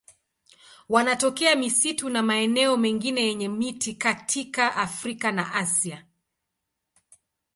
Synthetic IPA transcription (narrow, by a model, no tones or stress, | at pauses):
wanatɔkɛamisitunamaɛnɛɔmɛŋɡinɛjɛɲɛmitʰikatʰikaʔafɾikanaʔasia